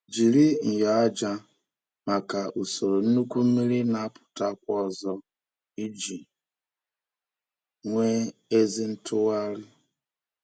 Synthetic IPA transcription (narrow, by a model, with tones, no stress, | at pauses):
d͡ʒi˨ɾi˦ŋ̩˨ja˨a˦d͡ʒa˦ | ma˨ka˨ʔu˨so˨ɾo˨n̩˦nu˦kʷu˦mi˦ɾi˦na˨a˦pʊ̥˨ta˦kʷɔ˦˨zɔ˦ | i˦d͡ʒi˨ | ŋʷe˦e˦zi˦n̩˦tʰʊ˦wa˦ɾɪ˦